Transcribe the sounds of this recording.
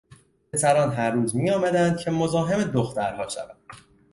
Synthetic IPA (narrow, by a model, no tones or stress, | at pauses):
et̪ʰæɾɒːnɦæɾːuːzmijɒːmæd̪ænd̪̥̚cʰe̞mo̞zɒːɦe̞med̪oxt̪æɾhɒːʃæ̰vænd̪̥